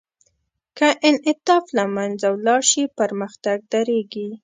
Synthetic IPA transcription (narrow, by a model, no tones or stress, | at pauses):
kaʔɪnɪt̪ɑflamand͡zawlɑɾʃipəɾməxt̪aɡ̚d̪aɾeɡi